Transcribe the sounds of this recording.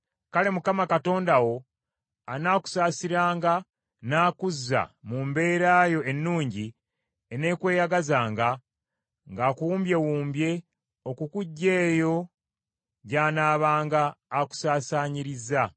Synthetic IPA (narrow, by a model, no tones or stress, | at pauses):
kale̞mukamakato̞ːndawo̞ | anaːku̥saːsiɾaːŋɡa | naːkuzːa̰mumbe̞ːɾaːjo̞e̞nːuːɲɟi | ene̞ːkwe̞ːjaɡazaːŋɡa | ŋɡakuuːmbje̞wuːmbje̞ | o̞kukuɟːe̞ːjo̞ | ɟaːnaːβaːŋɡaːku̥saːsaːɲiɾiza